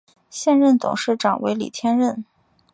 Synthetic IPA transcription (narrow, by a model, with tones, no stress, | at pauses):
ɕjɛ˥˧nɻə˥˩nt̪ʊ̰˨˩ŋʂɻ̩˥˩ʈ͡ʂɑ˨˩ŋwe˧˥ɪlḭ˨˩t̪ʰjɛ˥nɻə˥˩n